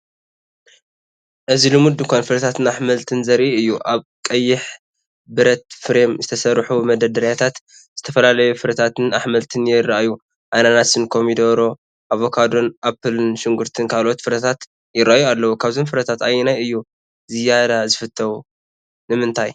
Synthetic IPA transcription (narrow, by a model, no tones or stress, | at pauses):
ʔɨzilɨmud̪ɨkʰʷanfɨɾɐt̪ʰat̪ʰɨnaħmɐlt̪ʰɨnzɐɾʔiɨjːuʔaβkʼɐjːɪħ | bɨɾɐt̪fɨɾemzɨt̪ʰɐsɐɾħumɐd̪ɐd̪ɐɾjat̪ʰat̪ | z̥ɨt̪ʰɐfɐlalɐjufɨɾɐt̪ʰat̪ɨnaħmɐlt̪ʰɨnjɪrːaʔju | ʔajnanasɨnkʰo̞mid̪oβɾo̞ | ʔaβo̞kʰad̪o̞nʔapʰɨlɨnʃɪŋɡuɾt̪ʰɨnkʰalʔo̞t̪fɨɾɐt̪ʰat̪ | jɪɾajualːɐwukʰaβzomfɨɾɐt̪ʰat̪ajɪnajɨjːu | zɨjad̪azɨfɨt̪ʰːɐwu | nɨmɨnt̪ʰaj